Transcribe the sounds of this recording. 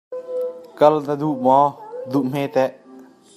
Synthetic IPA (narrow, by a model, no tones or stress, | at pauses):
kɐlnəd̪uʔmɔd̪uʔm̥ɛt̪ɛʔ